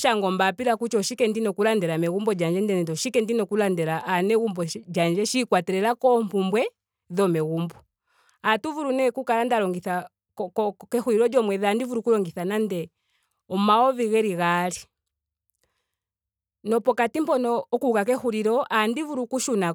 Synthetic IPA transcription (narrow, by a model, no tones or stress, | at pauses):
ʃaŋɡɔmbapiɾakut͡ʃɔʃikɛndinɔkulandɛɾamɛɣumbɔd͡ʒand͡ʒɛndɛnɛdɔʃikɛndinɔkulandɛɾaʔanɛɣumbɔd͡ʒand͡ʒɛʃikwatɛɾɛlakɔmpumbwɛ | ðɔmɛɣumbɔ | atuvuɾunɛkukalandalɔŋɡiθa | kɛxuɾiɾɔd͡ʒɔmwɛðandivuɾukulɔŋɡiθanandɛ | ɔmaɔviɣɛɾiɣali | nɔpɔkatimpɔnɔːkukak̬ɛhuɾiɾɔʔandivuɾukuʃuna